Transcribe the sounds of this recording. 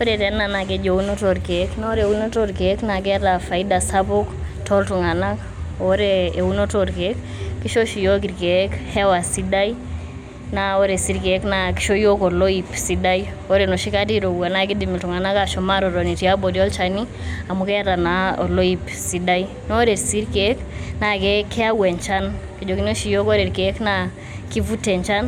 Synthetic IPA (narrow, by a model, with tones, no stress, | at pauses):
po˦ɾe˨tɛ˨˦na˨na˨ke˨d͡ʒo˨u˦no˦to˨ɾke˨˦knɔ˦ɾe˨u˦no˦to˦ɾke˦kna˨k̬ɛ˦ta˨fa˨i˦da˨sapo˦ktʰɔ˦ltu˨ŋa˨na˦k | oɾeː˨u˦no˦toɾke˦kː | i˦ʃo˦ʃi˨jo˦ki˨ɾke˨˦khɛ˦wa˨si˦da˦i˦ | na˦o˦ɾe˨si˦ɾke˨knaki̥˦ʃo˦jo˦kɔ˨lo˦ipsida˦j | o˨˦ɾeno˨ʃi˦ka˦t̬i˦ɾo˨wa˨na˨k̬i˦di˨mi˨ltu˨ŋa˨na˦ka˨ʃɔ˨ma˦ɾɔ˨ɾɔ˨ni˨ti˨a˦bo˨di˦ɔ˦lt͡ʃani˦ | a˨mu˦kɛ˦a˦ta˨naɔ˨lo˦i˦p | si˨da˦i | nɔ˦ɾe˨ɾsi˦ɾke˦kna˨ke˦kʰːɛ˦a˦wɛ˨ɲt͡ʃa˦nke˨d͡ʒo˨ki˦no˦ʃi˨jo˦ko˦ɾe˨ɾke˨˦kna | ki˦vu˦tɛ˨ɲt͡ʃa˦n